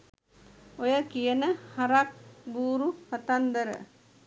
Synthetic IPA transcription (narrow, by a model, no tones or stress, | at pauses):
ojəkijənəhaɾak̚buːɾuhat̪and̪əɾə̰